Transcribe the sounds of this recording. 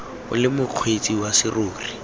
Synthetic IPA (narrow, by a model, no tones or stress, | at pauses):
ʊ̰lɪmʊq͡χʰwet͡sʼiwasɪroːri